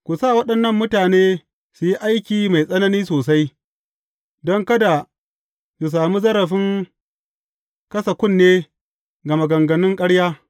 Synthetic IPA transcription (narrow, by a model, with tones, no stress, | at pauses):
kʷu˨saː˦˨wɐ˦ɗɐ˨nːɐ˦˨mːʊ˦taː˨neː˦ | su˨ji˦ʔa˦jkʲiː˨ma˨jsʼɐ˦nɐ˦niː˦soː˨sa˦j | dɔ˦ŋkɐ˦da˨ | ku˨s̬aː˨mu˦zɐ˦ɾɐ˨ɸɪ˦ŋ | kɐ˦sɐ˨kʷʊ˦˨nːeː˦ | ɡɐ˨ma˨ɡɐ˨ŋɡɐ˨nɪ˦ŋkʼɐ˦ɽjaː˦